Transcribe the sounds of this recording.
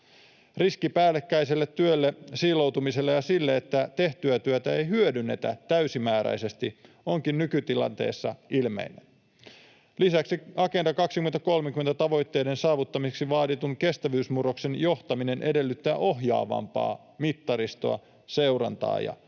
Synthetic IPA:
riskipæːlːekːæjselːet̪ːyølːesiːlo̞wt̪umise̞lːejɑsilːeet̪ːæt̪e̞ht̪yæt̪yøt̪æe̞jɦyødynːe̞̰t̪æt̪æysimæːɾæ̰jse̞st̪i | o̞ŋkinːykyt̪ilɑ̰nt̪e̞̰ːsːɑʔilme̞̰inːen | lisæksiɑke̞ndɑkɑksikyment̪æko̞lmeŋkyment̪æt̪ɑʋo̞jt̪ːe̞jde̞nsɑːʋut̪ːɑmiseksiʋɑːdit̪uŋke̞st̪æʋyːsmuro̞kse̞njo̞ht̪ɑmine̞nʔe̞de̞lːyt̪ːæːʔo̞ɦjɑ̰ːʋɑ̰mpɑ̰ː | mit̪ːɑɾist̪o̞̰ɑ̰ | se̞wrɑ̰nt̪ɑ̰ːjɑ̰

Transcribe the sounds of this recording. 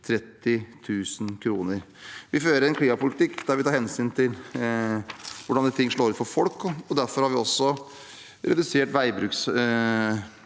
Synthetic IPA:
t̪ʰɾɛt̪ːɪt̪ʰʉːsn̩kʰɾuːnəɾ | ʋɪføːɾəɾɛnkʰliːmɑpʊlɪt̪ɪkːd̪æɾʋɪt̪ʰɑːhɛnsyːnt̪ʰɪl | ʋʊɖɑnd̪ɪt̪ʰɪŋːʂɭoːɾʉt̪fɔɾfɔlkːɔɔd̪æɾfɔɾhɑɾʋɪɔsːɔ | ɾɛd̪ʉseːʈʋæɪbɾʉːks

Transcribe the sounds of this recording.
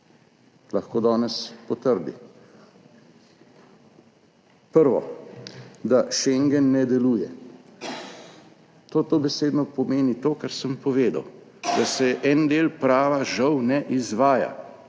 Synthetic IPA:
laxkoːd̪ɔːnɛspɔt̪əɾd̪ḭ | pəɾʋɔ̰ | d̪aʃɛŋɡɛnːɛd̪ɛluːjɛ | t̪oːt̪oːbɛseːd̪nɔpɔmeːnit̪oːkaɾsəmpɔʋeːd̪a̰w | d̪asɛʔɛnd̪eːlpɾaːʋaʒɐwnɛʔizʋaːja̰

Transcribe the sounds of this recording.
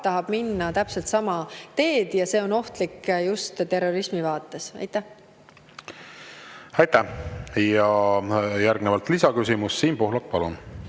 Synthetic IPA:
t̪ɑɦɑb̥minːɑt̪æpse̞lt̪sɑmɑt̪e̞ːd̪̥jɑse̞ːo̞no̞ht̪likːjust̪t̪e̞rːo̞ɾismivɑːt̪ːˑe̞sɑ̰jt̪ˑːæh | ɑjt̪æhjɑ | jæɾɡ̥nevɑlt̪lisɑkysimusːiːnpoɦlɑk̚pɑlun

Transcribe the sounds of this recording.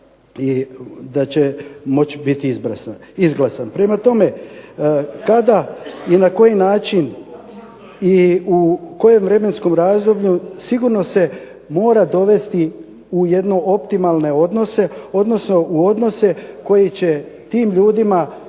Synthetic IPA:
id̪at͡ɕe̞mo̞t͡ɕbit̪iizbɾa̰saizɡlˠasanpɾe̞mat̪o̞me̞ | kad̪ainako̞jinaːt͡ʃin | iuko̞je̞mʋɾe̞me̞nsko̞mɾaːzd̪o̞bʎusiɡuɾno̞se̞ | mo̞ːɾad̪o̞ʋe̞st̪i | uje̞d̪no̞ʔo̞pt̪imalˠne̞o̞d̪no̞se̞o̞d̪no̞sno̞ʔuo̞d̪no̞se̞ko̞jet͡ɕe̞ | t̪iːmʎuːd̪ima

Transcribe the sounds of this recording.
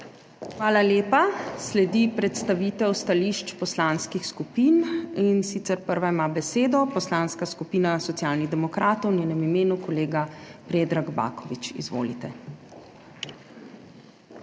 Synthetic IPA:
xʋaːlaleːpaslɛd̪ipɾɛt̪st̪aʋiːt̪ɛwst̪aliːʃt͡ʃpɔslaːnskixskupiːninsiːt̪sɛɾpəɾʋaimaːbɛseːd̪ɔpɔslaːnskaskupiːnasɔt̪ijaːlniɣd̪ɛmɔkɾaːt̪ɔwnʲjeːnɛmimeːnukɔleːɡapɾeːd̪ɾaɡba̰ːkɔʋit͡ʃḭzʋo̰ːlit̪ɛ

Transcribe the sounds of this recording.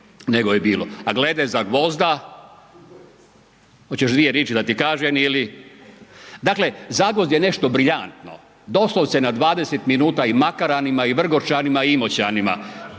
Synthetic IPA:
neɡojebiːlˠoaɡled̪ezaɡʋo̞zd̪a | hot͡ɕeʃd̪ʋijeɾeːt͡ʃid̪at̪ikaːʒɛnili | d̪akle̞zaɡʋozd̪jene̞ʃt̪o̞bɾiʎant̪no̞̰ | d̪o̞slosenad̪ʋaːd̪eset̪minuːt̪aimakaɾanimaiʋr̩ɡot͡ʃanimaiimot͡ɕanima̰

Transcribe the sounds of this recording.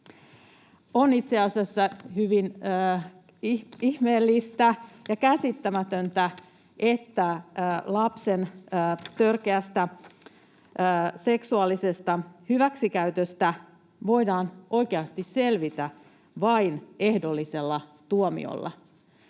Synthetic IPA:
onit̪seɑsiɑsːɑhyʋinː | iihmeːlːist̪æjɑkæsit̪ːæmæt̪ønt̪æ | ʔet̪ːæːlɑpsenəːt̪ørkeæst̪æ | se̞ksuɑlːˑisest̪ɑhyʋæksikæyt̪øst̪æ | ʋo̞jdɑːnʔo̞jkeɑst̪isse̞lʋit̪æ | ʋɑine̞hdo̞lːise̞lːɑt̪uomḭo̰lːɑ̰

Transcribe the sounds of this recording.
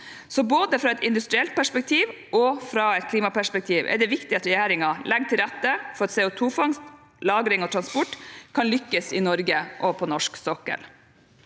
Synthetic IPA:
sɔboːd̪əfɾɑɛt̪ɪnd̪ʉst̪ɾɪɛlt̪̚pʰæʂpɛk̚t̪ʰiːʋ | ɔfɾɑɛt̪̚kʰliːmɑpæʂpɛk̚t̪ʰiːʋʔɛ̰ɖɛʋɪkt̪ɪɑt̪ɾɛjæːɾɪŋɑlʔɛɡːt̪ʰɪlɾæt̪ːəfɔɾɑt̪sɛːʊt̪ʰuːfɑŋst̪ | lɑːɡɾɪŋɔt̪ʰɾɑnspɔʈkʰɑnlʏkːəsɪnɔɾɡəʔɔpʰɔnɔʂksɔkːə̰l

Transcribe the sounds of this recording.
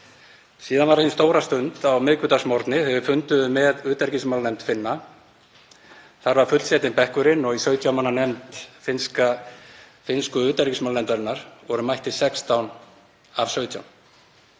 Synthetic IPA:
siːðanvaɾhɪnst̪oːwɾast̪ʏnt̪awmɪðkʏt̪asmɔɾt̪nɪθɛvʏfʏnt̪ʏðʏmɛðʏːt̪aɾcɪsmawlnɛjmt̪fɪnːa | θaɾvaɾ̥fʏt̪lsjɛːt̪ɪnpɛhkʏɾɪnɔɣisœːɥt̪ʰjawmanːanɛmt̪fɪnska | fɪnskʏʏːt̪aɾcɪsmawlɛnt̪aɾɪnːaɾ̥vɔɾʏmajht̪ɪsɛkst̪awn | av̥sœːɥt̪ʰja̰wn

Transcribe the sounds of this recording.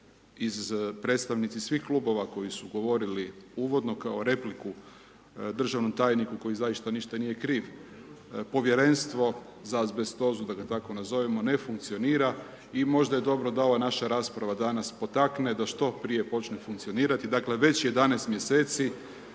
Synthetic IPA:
izpɾe̞t̪st̪aʋnit̪sisʋixklubo̞ʋako̞jisuɡo̞ʋo̞ɾiliuʋo̞d̪no̞kao̞ɾe̞pliku | d̪r̩ʒaʋno̞mt̪aːjnikuko̞jizajiʃt̪aniʃt̪anijekɾiːʋ | po̞ʋje̞ɾe̞nst̪ʋo̞ | zazbe̞st̪o̞zud̪aɡat̪ako̞nazo̞ʋimo̞ne̞fuŋkt̪sio̞niːɾa | imo̞ʒd̪aje̞d̪o̞bɾo̞d̪aoʋanaʃaɾaːspɾaʋad̪anaspo̞t̪akne̞d̪aʃt̪o̞pɾije̞po̞t͡ʃnefuŋkt̪sio̞niːɾat̪id̪akle̞ʋe̞t͡ɕje̞d̪anest̪mje̞se̞ːt̪si

